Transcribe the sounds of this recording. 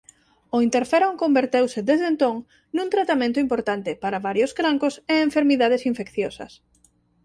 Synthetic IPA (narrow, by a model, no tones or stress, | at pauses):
ʊint̪eɾfɛɾoŋkõmbeɾt̪ewsɪd̪ezðent̪oŋ | nũnt̪ɾat̪amẽnt̪ʊimpoɾt̪ant̪ɪpaɾɐβaɾjʊskɾaŋkʊseeɱfeɾmiðað̞esiɱfekθjosɐ̰s